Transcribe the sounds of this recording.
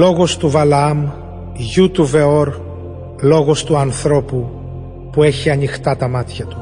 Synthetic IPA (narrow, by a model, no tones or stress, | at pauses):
lo̞ɣo̞st̪uvɐlɐɐm | ʝut̪uve̞o̞ɾ | lo̞ɣo̞st̪uɐnθɾo̞pu | pue̞çiɐnixt̪ɐt̪ɐmɐt̪çɐt̪u̥